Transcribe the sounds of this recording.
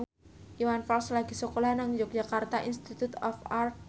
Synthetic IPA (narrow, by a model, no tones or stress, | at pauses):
uwanfɔlslaɡ̥i̤sokolanaŋd͡ʒok̚ʒ̥akart̪aʔinst̪it̪ut̪ɔfar